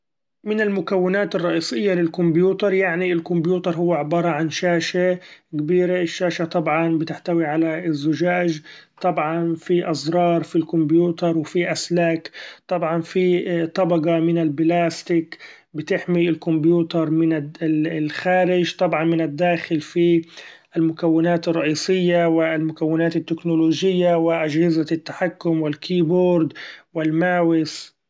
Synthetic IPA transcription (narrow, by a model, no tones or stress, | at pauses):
mɪnɪlmʊkawːɪnaːt̪ɨrˤːɑʔiːsˤɪjːalɪlkʊmbjuːt̪ɑɾˤjaʕniɪlkʊmbjuːt̪ɑɾˤɦʊwːaʕɪbɑːɾˤɑʕanʃaːʃakabiːɾaʔɪʃːaːʃat̪ˤɑbʕɑnbɪt̪ɪħt̪awiʕalaɪzːʊʒaːʒt̪ˤɑbʕɑnfiʔɑzˤɾˤɑːɾˤfilkʊmbjuːt̪ɑɾˤwfiʔaslaːkt̪ˤɑbʕɑnfit̪ˤɑbɑqɑmɪnɪlblaːst̪ɪk | bɪt̪ɪħmiɪlkʊmbjuːt̪ɑɾˤmɪnalxaːɾɪd͡ʒt̪ˤɑbʕɑnmɪnad̪ːaːxɪlfi | ʔɪlmʊkawːɪnaːt̪ɨrˤːɑʔiːsɪjːawɪlmʊkawːɪnaːt̪ɪt̪ːɪknʊloːʒɪjːawɪʔad͡ʒhɪzat̪ːḁħakːʊmwɪlkʰiːboːɾd̪wɪlmaːwɪs